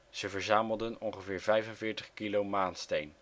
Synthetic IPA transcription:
z̥əvəɹzaːməlˠdənɔŋχəvɪːɹvɛjvənvɪːɹtəχkilowmaːnstejn

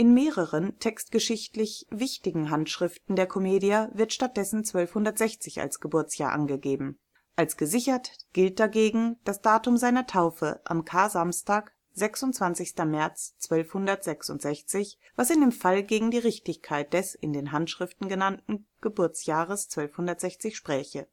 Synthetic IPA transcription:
ʔɪnmeːʁəʁəntʰɛkstɡ̥əʃɪçtlɪçvɪçtɪɡŋ̩ɦantʃʁ̥ɪftn̩deːɐkʰomeːdiɐvɪɐtʃtat̚d̥ɛsn̩t͡sv̥œlfhʊndɐtz̥ɛçt͡sɪça̰lsɡ̥əbʊɐt͡sjaːɐʔa̰nɡəɡeːbm̩ | ʔalsɡ̥əzɪçɐtɡ̥ɪlt̚d̥aɡeːɡŋ̩d̥asd̥aːtʊmzaɪnɐtʰaʊfə̰ʔa̰mkʰaːzamstaːk | z̥ɛksʊntt͡sv̥ant͡sɪçstɐmɛɐt͡st͡sv̥œlfhʊndɐtz̥ɛksʊntz̥ɛçt͡sɪç | v̥asɪndeːmfalɡeːɡŋ̩diːʁɪçtɪçkʰaɪt̚d̥ɛsɪndeːnɦantʃʁ̥ɪftn̩ɡənantn̩ɡ̥əbʊɐt͡sjaːʁ̞əst͡sv̥œlfhʊndɐtz̥ɛçt͡sɪçʃpʁ̥ɛːçə

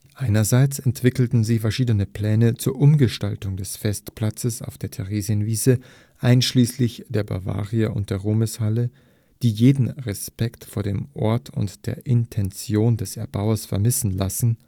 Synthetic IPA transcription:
ʔaɪnɐzaɪt͡sɛntv̥ɪkl̩tn̩ziːfɛɐʃiːdənəpl̥ɛːnət͡suːɐʔʊmɡəʃtaltʊŋdɛsfɛstpl̥at͡səsa̰ʊfd̥eːɐtʰɛʁeːziənviːzə | ʔaɪnʃliːslɪçd̥eːɐba̰ɐva̰ːʁiəʔʊ̰nt̚d̥eːɐʁoːməshalə | d̥iːjeːdn̩ʁɛspɛktfoːɐɾeːmʔɔ̰ɐtʰʊ̰ntd̥ḛːɐʔɪntʰɛnt͡sjoːndɛsɛɐba̰ʊɐsfɛɐmɪsn̩lasn̩

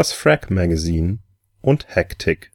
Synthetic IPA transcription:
asfʁɛkmaɡaziːn | ʔʊnthɛktʰɪk

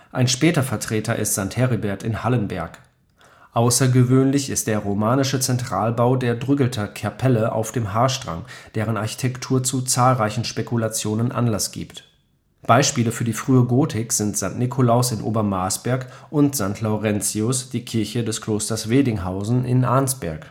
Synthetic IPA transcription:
ʔaɪnʃpɛːtɐfɛɐtʁ̥eːtɐʔɪ̰stz̥aŋthɛʁibɛɐtɪnhalənbɛɐk | ʔaʊsɐɡəvøːnlɪçɪst̚d̥eːɐʁomaːnɪʃət͡sɛntʁ̥aːlbaʊdeːɐdʁʏɡl̩tʰɐkʰɛɐpʰɛləʔa̰ʊfd̥eːmɦaːɐʃtʁ̥a̰ŋd̥eːʁənaɐçi̥tʰɛktʰuːɐt͡sut͡saːlʁaɪçn̩ʃpekʰulat͡sjoːnənʔa̰nlasɡ̥ḭːpt | b̥aɪʃpiːləfyːɐdiːfʁ̥yːəɡoːtʰɪkz̥ɪntz̥antnɪkʰolaʊsɪnʔo̰ːbɐmaɐsb̥ɛɐkʔʊntz̥aŋtʰlaʊʁɛnt͡siʊsd̥iːkʰɪɐçədɛskʰl̥oːstɐsv̥eːdɪŋɦaʊzn̩ʔɪ̰nʔaɐnsb̥ɛ̰ɐk

